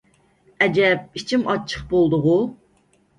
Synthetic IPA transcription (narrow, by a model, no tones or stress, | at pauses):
ɛd͡ʒɛp̚it͡ʃʰimɑt͡ʃʰə̥χbolˠd̪ʊʁu